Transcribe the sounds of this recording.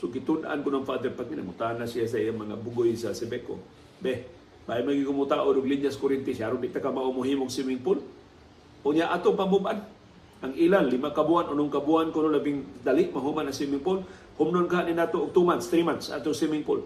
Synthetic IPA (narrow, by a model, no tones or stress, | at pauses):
soɡɪt̪ʊnd̪ʔa̰nkʊnoŋfad̪ɛɾpat̪̚kɪna̰mʊt̪aanasijas̬aijaŋmɐŋa̰bʊɡojsasɛbeko̰ | bɛh | bajmaɡɪkʊmʊt̪aʔodʊɡliɲaskʊɾɪnt̪ɪsaɾʊnbɪʔt̪akamaʔʊmʊɦimoŋsimɪŋpʊl | ʔʊɲaʔat̪opambʊbʔan | ʔaŋilanlɪmakabuanʊnʊŋkabuankʊnolabɪŋd̪alɪʔmaɦumanaŋsimɪŋpʊl | hʊmnonkaɦaʔnɪnat̪oʔːɡ̚t̪umanst̪ɾimansa̰t̪oŋsimɪŋpʊ̰l